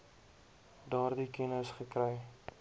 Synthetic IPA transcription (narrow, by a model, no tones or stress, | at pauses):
dɑːrdikɛnəsχəkrɛj